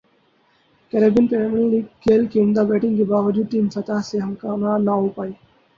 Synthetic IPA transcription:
kɛɾebənpɛmliliːɡ̚keːlkiɪ̃nd̪abɛːʈɪ̃ŋɡkebaːʋəd͡ʒuːd̪̚ʈiːmsət̪aɦseɦɐmkaːnanaupaːi

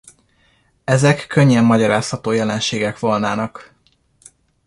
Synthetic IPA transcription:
ɛzɛkːø̞ɲːɛmːɒɟɒɾaːshɒt̪oːjɛlɛnʃeːɡɛkʋo̞lnaːnɒk

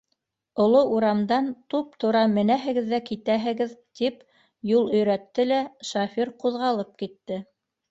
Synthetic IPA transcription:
ŏlˠoʔuɾɑmd̪ɑnt̪up̚t̪ʰŏɾɑmɘ̆næɦɘ̆ɡɘ̆ðːækit̪æɦɘ̆ɡɘðt̪ip | julˠɵ̆jɾæt̪ːɘlæʃafʲiɾquðʁɑlˠɤp̚kit̪ːɘ

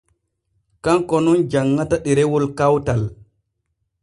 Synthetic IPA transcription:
kaŋkɔnɔnd͡ʒaŋːataɗɛɾɛwɔlkawtal

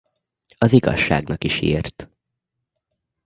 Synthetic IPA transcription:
ɒziɡɒ̰ʃːa̰ːɡnɒkiʃiːrt̪

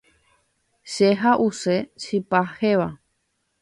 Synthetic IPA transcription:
ʃeɦaʔuseʃɨpaheʋa

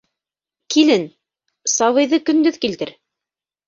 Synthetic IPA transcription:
kilɘn | sɑβɤ̆jðɤkɵ̆nd̪ɵðkilt̪ɘɾ

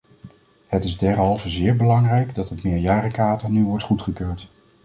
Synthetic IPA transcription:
hətɪzdɛɹɦɑlˠvəzɪːɹbəlɑŋrɛjɡdɑtətmɪːɹjaːɾəkaːdəɹnyʋɔɹtχutχəkøːɹt

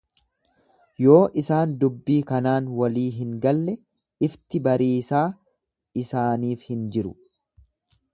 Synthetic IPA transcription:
jo̞ːʔɪsaːnd̪ʊbːiːkɐnaːnwɐliːɦɪŋɡɐlːɛ | ɪft̪ɪbɐɾiːsaː | ɪsaːniːfhɪnd͡ʒɪɾʊ

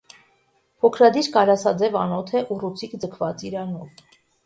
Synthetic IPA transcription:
pʰɔkʰɾɑd̪iɾkɑɾɑsɑd͡zɛvɑnɔt̪ʰɛʔurut͡sʰikd͡zəkʰvɑt͡siɾɑnɔv

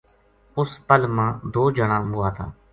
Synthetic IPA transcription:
ʊspəlmãːd̪oːd͡ʒəɳãːɓʊaːt̪ʰa̰ː

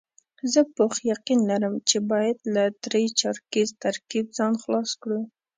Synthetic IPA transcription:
zəpoxjaqinlaɾəmt͡ʃebɑjad̪lad̪ɾəjt͡ʃɑɾkizt̪aɾkib̚zɑnxlɑskɽə

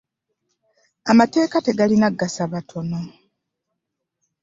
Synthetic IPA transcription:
amate̞ːkate̞ɡalinaɡːasaβatʰo̞no̞

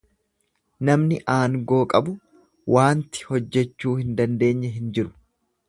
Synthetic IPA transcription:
nɐmnɪʔaːŋɡo̞ːkʼɐbʊ | wʔaːnt̪ɪ̥hɔd͡ʒːɛt͡ʃːuːhɪnd̪ɐnd̪e̞ːɲːɛɦɪnd͡ʒɪɾʊ̥

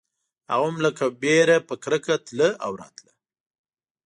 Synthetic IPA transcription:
ha̰ɣamləkabeɾapəkɾəkat̪ləʔawɾɑ̰t̪lə

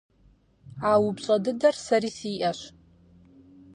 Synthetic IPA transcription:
aːwʊbɕʼɐdɨdɐrsɐɾiːsiːʔɐɕ

